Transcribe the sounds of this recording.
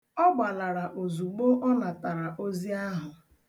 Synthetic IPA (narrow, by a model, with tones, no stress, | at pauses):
ɔ˦ɡ͡ba˨la˨ɾa˨ʔo˨zu˨ɡ͡bo˦ʔɔ˦na˨ta˨ɾa˨ʔo˦zi˦a˦ɦʊ˨